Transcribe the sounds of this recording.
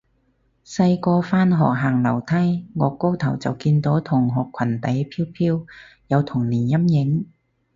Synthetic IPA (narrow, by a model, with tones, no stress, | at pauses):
sɐ˧jkɔː˧faː˥nɦɔː˨k̚ɦaː˨˩ŋlɐ˨˩wt̪ʰɐ˥jŋɔː˨˧kːo˥wt̪ʰɐ˨˩wt͡sɐ˨wkiː˧nt̪o˨˥wt̪ʰʊ˨˩ŋɦɔː˨˩kʰːɐ˨˩nt̪ɐ˨˥jpʰiː˥wpʰiː˥w | jɐ˨˧wt̪ʰʊ˨˩ŋniː˨˩njɐ˥mjɪ˨˥ŋ